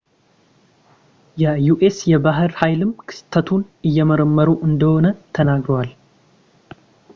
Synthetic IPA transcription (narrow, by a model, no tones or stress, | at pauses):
jɛjuʔesjɛbaɦɨɾhajlɨmkʰɨ̥st̪ʰːət̪ʰunɨjːɛməɾəmːəɾuʔɨnd̪əho̞nət̪ʰənaɡɾəwal